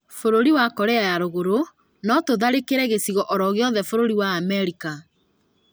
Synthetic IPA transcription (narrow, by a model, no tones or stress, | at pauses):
foɾoɾiwakɔɾɛajaɾoɣoɾo | nɔtoðaɾekeɾɛɣesiɣɔʔɔɾɔɣeɔðɛfoɾoɾiwaːmɛɾika